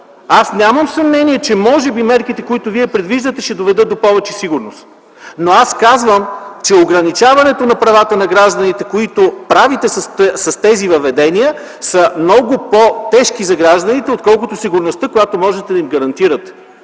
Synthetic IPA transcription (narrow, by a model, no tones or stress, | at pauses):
asnʲaməmsɐmnɛniɛt͡ʃɛmɔʒɛbimɛɾkit̪ɛkoit̪ʊviɛpɾɛd̪viʒd̪ət̪ɛʃɛd̪ovɛd̪ɤt̪̚d̪opɔvɛt͡ʃɛsiɡʊɾnost̪ | noaskazvəmt͡ʃɛoɡɾɐnit͡ʃavɐnɛt̪onɐpɾɐvat̪ənɐɡɾaʒd̪ɐnit̪ɛkoit̪opɾavit̪ɛsssɐst̪ɛzivɐvɛd̪ɛnijə | səmnɔɡʊpot̪ɛʃkizɐɡɾaʒd̪ənit̪ɛot̪̚kɔlˠk̬ʊt̪ʊsiɡʊɾnost̪əkojat̪omɔʒɛt̪ɛd̪ɐimɡɐɾɐnt̪iɾət̪ɛ̥